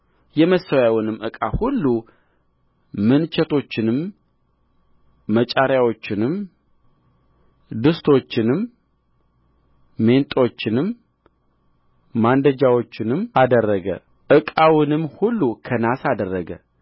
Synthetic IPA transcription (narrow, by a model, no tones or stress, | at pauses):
jɛməsəwawʊnɨmːɨkʼahulːu | mɨnt͡ʃʰɛt̪ʰo̞t͡ʃːɪnɨm | ət͡ʃʼaɾjawo̞t͡ʃːɪnɨm | d̪ɨst̪ʰo̞t͡ʃːɪnɨm | e̞nt̪ʼo̞t͡ʃːɪnɨm | and̪əd͡ʒawo̞t͡ʃːɪnɨmad̪ərːəɡə̰ | ʔɨkʼawɨnɨmhulːukʰənasad̪ərːəɡə̰